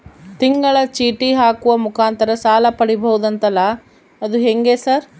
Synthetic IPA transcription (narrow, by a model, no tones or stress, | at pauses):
t̪iŋɡɐɭɐt͡ʃiːʈiɦaːkuʋɐmukaːnt̪ɐɾɐsaːlɐpɐɽibɐɦud̪ɐnt̪ɐlːɐ | ɐd̪uɦeŋɡeːsɐɾ